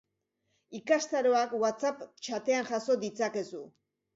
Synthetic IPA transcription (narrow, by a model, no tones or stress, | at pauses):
ikast̪aɾo̞akwat͡sapt͡ʃat̪e̞anxaso̞d̪it͡sake̞su